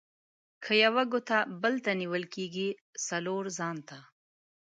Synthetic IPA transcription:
kʰəjawaɡot̪abəlt̪aniwəlkeɡisaloːɾzɑːnt̪a

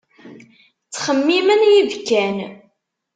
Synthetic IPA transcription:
t͡sːχəmːimənjivkːæn

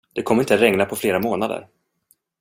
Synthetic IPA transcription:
d̪̥ɛkʰɔmːəɾɪnt̪əaɾɛŋnapʰɔfleːɾamoːnad̪ə̰ɾ

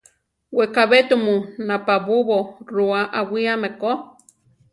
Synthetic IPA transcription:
wekaβet̪umunapaβuβoɾuaʔawiameko

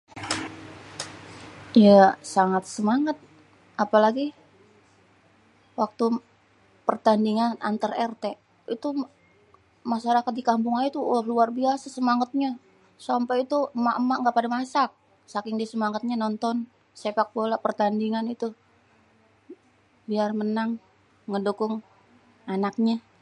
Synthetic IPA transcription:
jasaŋat̪̚səmaŋat̪̚ | ʔapalaɡi | wak̚t̪u | pərt̪andiŋana̰nt̪ərɛrt̪e | it̪u | maʃaɾakat̪̚dikampʊŋait̪ulaɦluarbiasasəmaŋat̪̚ɲa | sampait̪uəmaʔəmaʔŋɡaʔpadamasak̚ | sakɪŋdisəmaŋət̪̚ɲanɔnt̪ɔn | sepak̚bolapərt̪andiŋanit̪u | biarmənaŋː | ədukʊŋ | anak̚ɲa

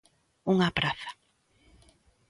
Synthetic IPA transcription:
uŋapɾaθḁ

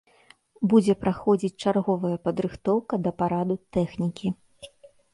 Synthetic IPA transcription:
bud͡zʲɛpɾaxɔd͡zʲit͡sʲt͡ʂarɣɔvɐjɐpɐd̪ɾɨxt̪ɔwkɐd̪ɐpaɾad̪ut̪ɛxnʲikʲi

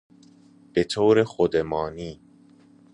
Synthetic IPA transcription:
b̥et̪ʰoːɾexod̪emɒːniː

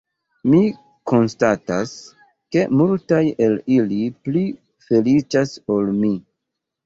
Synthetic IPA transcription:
mi | ko̞nstatas | ke̞multaje̞lilipli | fe̞lit͡ʃasolmi

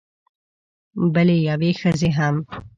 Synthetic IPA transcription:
balejawexəzeɦam

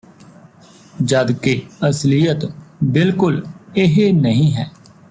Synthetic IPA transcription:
d͡ʒəd̪keəslijət̪bɪlkʊlɪɦenəɦĩːɦɛː

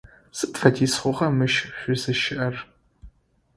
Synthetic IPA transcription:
sɨʔfɐdʰisχʷʊʁɐmɨʃɕᶣʷʊzɨʃɪʔɐr

